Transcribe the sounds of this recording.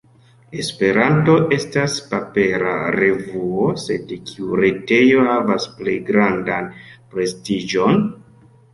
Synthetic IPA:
e̞spe̞ɾanto̞ʔe̞staspape̞ɾa̰ɾe̞vuose̞dkʰiuɾe̞te̞jo̞havasple̞jɡɾandanpɾe̞stid͡ʒo̞n

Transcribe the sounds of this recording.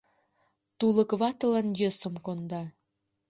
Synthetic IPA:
t̪uləkβɑt̪ə̆lənjøsə̆mkond̪ɑ

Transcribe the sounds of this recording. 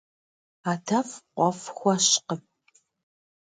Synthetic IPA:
aːtʰɐfqʷʼɔfxʷɔɕqəp

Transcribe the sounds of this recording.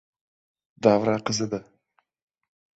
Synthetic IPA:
d̪avɾaqʰɨzɨd̪a

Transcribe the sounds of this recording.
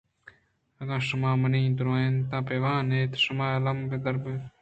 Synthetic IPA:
ɐɡãːʃumaːmɐnĩːd̪uɾõːẽnt̪ãːpeːʋãːneːt̪ʃumaːɐlɐmbed̪ɐɾbe

